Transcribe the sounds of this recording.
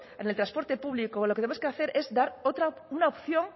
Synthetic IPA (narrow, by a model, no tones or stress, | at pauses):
enelt̪ɾaspo̞ɾt̪e̞puβlikoloket̪eemoskeaθe̞ɾʔe̞zd̪aɾo̞t̪ɾaunaopθjo̞ŋ